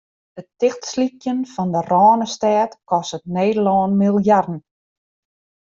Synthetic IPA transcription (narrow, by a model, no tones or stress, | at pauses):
dətɪxtslikjənfɔndərɔːnəstɛːtkɔsətneːdəlɔːnmilˠjardn̩